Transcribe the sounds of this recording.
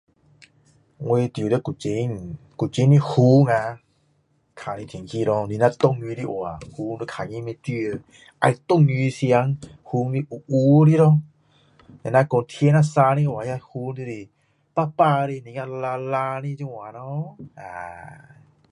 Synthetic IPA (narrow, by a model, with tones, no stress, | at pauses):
ŋwe˧t̪jɾə˦˧ku˨t͡ɕi˧˦ŋ | ku˨t͡ɕi˧˦nni˧hu˧˦ŋa˧ | kʰa˨nĩ˧t̪ʰi˨ŋkʰi˧ɾɔ˧˦ni˨˧˨na˧t̪ɔ˧˨ŋi˧ɾi˦˧˦ʔw̰a˨hu˧˦ŋdə˧kʰa˨ɲĩ˧˦˧me˧t̪i˧ə˧ | ʔa̰˧jt̪ɔ˧˨ŋɲi˧sja˧˦ŋhu˧˦ŋli˧˦ʔu˨ʔu˧˦˧ɾi˦˧˦ɾɔ˦˧˦ | na˨nã˧kɔ˧nt̪ʰje˧˦na˧sa˧nĩ˧˨ʔwa˨ja˧hu˧˦di˧ɾi˧˨ | pa˦˧pa˧ɾi˧˨nĩ˧ŋa˧la˧la˧nĩ˧t͡ɕi˧wa˨nɔ˧˦a˨